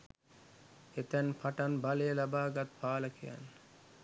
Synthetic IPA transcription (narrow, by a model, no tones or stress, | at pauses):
et̪ænpʰaʈanbalejəlabaːɡat̪paːlɐkʰija̰n